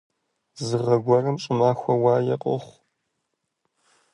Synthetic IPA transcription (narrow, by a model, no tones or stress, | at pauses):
zɨʁɐɡʷɔrɐmt͡ʃʼɨmaːxʷɐwaːjɐqʼʊ̰χʷ